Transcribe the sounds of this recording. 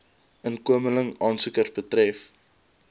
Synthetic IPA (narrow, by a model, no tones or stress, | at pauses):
ənkuəmələŋɑːnsukərsbətrɛf